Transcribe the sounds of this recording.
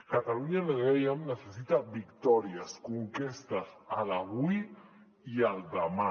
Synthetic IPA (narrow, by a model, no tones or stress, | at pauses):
kat̪aluɲaleɣejamnəsesit̪aβikt̪ɔɾiaskuŋkest̪asalaβuj | ialˠd̪ama